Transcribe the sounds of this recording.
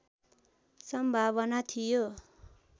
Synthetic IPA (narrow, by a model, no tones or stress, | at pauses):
sʌmbʱaβʌnat̪ʰijo